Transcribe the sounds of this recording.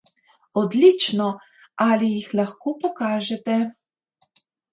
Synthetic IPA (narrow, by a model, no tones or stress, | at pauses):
ɔd̪lit͡ʃnɔ | alijixlaxkoːpɔkaːʒɛt̪ɛ